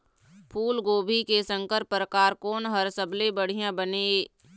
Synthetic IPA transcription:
pʰuːlɡoːbʱikesə̃ŋkəɾpɾəkaːɾkoːnɦəɾsəblebəɽ̤ijãbəne

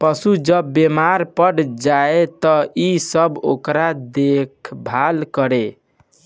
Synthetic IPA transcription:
pəsud͡ʒəbːemaɾpəɽd͡ʒaet̪ɔisəbo̰kɾad̪ekʰbʱalkəɾe

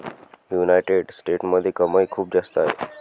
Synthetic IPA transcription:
junajʈeɖsʈeʈməd̪ʱːekəməjkʰuːp̚d͡zast̪əaɦḛ

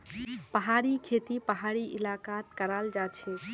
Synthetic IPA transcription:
pəɦaɾikʰet̪ipəɦaɾiʔɪlakat̪kəɾald͡ʒat͡ʃʰɛ

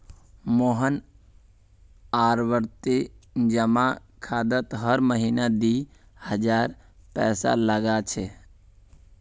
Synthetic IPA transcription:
moɦən | aɾʋəɾt̪id͡ʒəma | kʰad̪ət̪ɦəɾməɦinad̪i | həd͡ʒaɾ | pɛːsa̰ləɡat͡ʃʰɛ

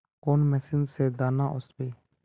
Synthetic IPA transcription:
koːnmɛːsɪnzseːd̪aːnaːʔʊsbeː

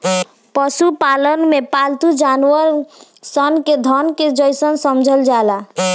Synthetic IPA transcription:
pəsupalənmepalt̪ud͡ʒanuəɾ | sənked̪ʱənked͡ʒəjsənsəmd͡ʒʱəld͡ʒala

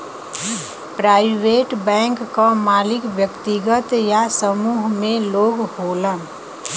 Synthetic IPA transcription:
pɾaːɪʋeːʈbɛ̃ːŋkːamaːlɪkʋjəkt̪iɡət̪jasəmuːɦmẽloːɡhoːlə

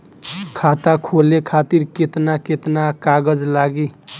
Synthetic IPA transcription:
kʰat̪akʰolekʰat̪iɾket̪naket̪nakaɡʌd͡zlaɡi

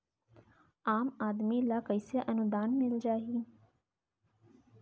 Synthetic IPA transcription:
aːmaːd̪milakəɪseʔɐnʊd̪aːnmɪld͡ʒaːɦiː

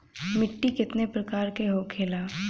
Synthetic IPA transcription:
mɪʈːikɪt̪nepɾɐkaːɾkeɦokʰeːlaː

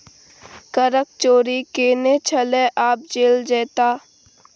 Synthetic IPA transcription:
kəɾək̚t͡ʃoːɾikeːnet͡ʃʰəleʔaːp̚d͡ʒeːld͡ʒɛːt̪aː

